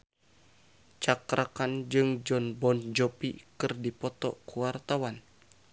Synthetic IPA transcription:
t͡ʃakɾakand͡ʒɨŋd͡ʒɔnbɔnd͡ʒɔpḭkɨrdipɔt̪ɔ̰kuwart̪awan

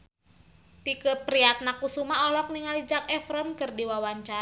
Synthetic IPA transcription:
t̪ikəpɾiat̪̚nakusumaɔlɔk̚niŋalid͡ʒak̚ɛfɾɔnkɨrdiwawaɲt͡ʃa

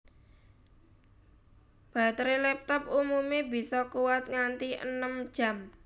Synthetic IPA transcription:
b̥a̤t̪ɾelɛp̚t̪ɔp̚umumebi̤sɔkuwat̪̚ŋant̪iʔə̰nəm̥d͡ʒʒ̥ä̤m

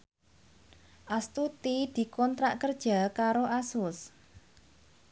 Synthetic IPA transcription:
ʔast̪ut̪id̪̥i̤kɔnt̪ɾaʔkərd̥ʒ̥a̤kaɾoʔasʊs

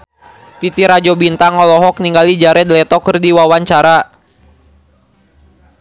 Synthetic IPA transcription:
t̪it̪iɾad͡ʒɔbint̪aŋɔlɔɦɔk̚niŋɡalid͡ʒaɾɛdlɛt̪ɔkərdiwawaɲt͡ʃaɾa

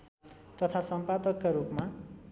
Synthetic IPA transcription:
t̪ʌt̪ʰasʌmpad̪ʌkːaɾupma

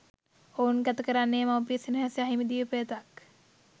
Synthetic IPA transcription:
ounkæt̪əkəɾanːeːmaʋpiəsinɐɦasaɦimid̪iʋəpəjət̪ak

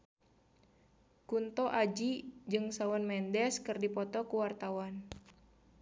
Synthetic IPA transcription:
kunt̪ɔʔad͡ʒid͡ʒɨŋsawɔnmɛndɛskɨrdipɔt̪ɔkuwart̪awan

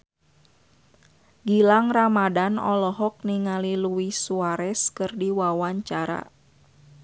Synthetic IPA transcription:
ɡilaŋramadanɔ̰lɔɦɔk̚niŋaliluwisuaɾɛskɨrdiwawaɲt͡ʃaɾa̰

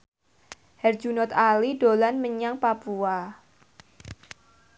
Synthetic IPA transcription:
hɛrd͡ʒunɔt̪̚alidolanməɲaŋpapua

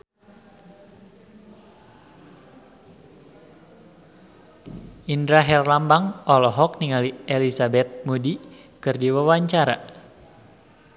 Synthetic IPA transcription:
indɾaɦɛrlambaŋɔlɔɦɔk̚niŋalielisabɛt̪̚mudi | kɨrdiwawaɲt͡ʃaɾa

